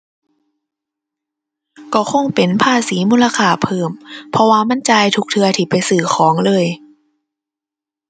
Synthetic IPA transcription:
kɔː˧˩kʰo˧˥˩ŋpe˨˩npʰaː˧˥˩siː˨˩˦muː˧˥˨la˧kʰaː˧˩pʰɤː˧˩mpʰɔ˧waː˧ma˧˥˨nt͡ɕaː˧jt̪ʰu˧˥k̚t̪ʰɯ˧ɐt̪ʰiː˧˩pa˧˨jsɯː˨˩xʰɔː˩˦ŋlɤː˧˨j

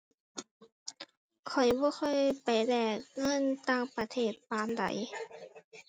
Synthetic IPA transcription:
kʰɔ˨˩jbɔː˧˥˦xʰɔ˧˥˨jpa˨jlɛː˧˩k̚ŋɤ˧˥˨nt̪aː˧˩ŋpa˧t̪ʰeː˧˩t̪̚paː˨˧˥nda̰˧˩˦j

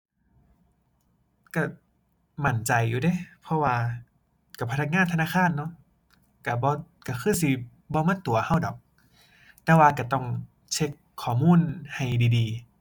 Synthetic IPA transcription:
ka˧˩ | ma˧˩nt͡ɕa˨jːuː˨˧da˧˩˨pʰɔ˧waː˧ | ka˧˩pʰa˧a˧k̚ŋaː˧˥˨t̪ʰnaː˧˥˨xʰaː˧˥˨nːɔ˧˥ | ka˧˩bɔː˧ | ka˧˩kʰɯː˧˥˨si˧ | bɔː˧˦maː˧˥˨t̪u˨ɐha˧˩˨wdɔː˨˩k̚ | t̪ɛː˧waː˧ka˧˩t̪ɔ˧˩ŋ | t͡ɕʰe˧˥kʰːɔː˨˩˦muː˧˥˨nha˨˩jdiː˨diː˨˧

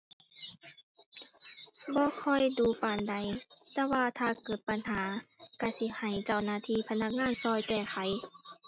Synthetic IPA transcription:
bɔː˧˦kʰɔ˧˥˨jduː˧˦paː˨nda˨˦jt̪ɛː˧waː˧t̪ʰaː˧˨kɤː˨˩t̪̚pa˧˨nhaː˨˦ka˧˩si˧˥ha˨˩jt͡ɕa˧˩wnaː˧˩t̪ʰiː˧˥˨pʰa˧na˧˩k̚ŋaː˧˥˨nsɔː˧˨jkɛː˧˩xʰa˨˦j

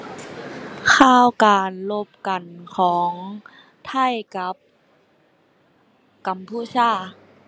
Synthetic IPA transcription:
kʰaː˧˥˨wkaː˨nlo˧˥p̚ka˨˩nkʰɔː˩˦ŋ | t̪ʰa˥˩˨jka˧˦p̚ | ka˨˩mpʰuː˧˩sʰaː˧˥˩

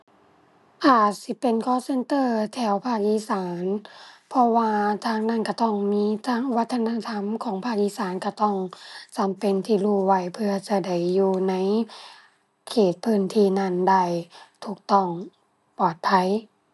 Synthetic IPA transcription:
ʔaː˨˩t̪̚si˧˦pe˨nkʰɔː˧˥se˧nt̪ɤː˧˨t̪ʰɛː˧˩wpʰaː˧˩k̚ʔiː˧˥˨saː˨˦npʰɔ˧waː˧t̪ʰaː˧˩ŋna˧˥˨nka˧˩t̪ɔ˧˩ŋmiː˧˥t̪ʰaː˧˥˩ŋ˧wa˧˥t̪ʰːa˧na˧t̪ʰa˧˥mkʰɔː˨˦ŋpʰaː˧˩k̚ʔiː˧˥˨saː˨˦nka˧˩t̪ɔ˧˩ŋt͡ɕa˨˦mpe˧˨nt̪ʰiː˧˩luː˧˩wa˧˩jpʰɯ˧ɐt͡ɕa˧˩da˧˩jːuː˧na˧˥j | kʰeː˨˩t̪̚pʰɯː˧˩˨nt̪ʰiː˧na˧˩˨nda˧˩jt̪ʰuː˧˩k̚t̪ɔ˧˩ŋ | pɔː˨˩t̪̚pʰa˧˥˩j

